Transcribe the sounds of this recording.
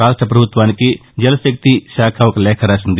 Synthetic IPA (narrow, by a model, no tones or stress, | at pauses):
aːʂʈɾɐp̬ɾɐbʱut̪ʋaːnikid͡ʒɐlɐsjɐk̚t̪iʃaːkʰɐʋɐkɐlɛːkʰɐɾaːsind̪i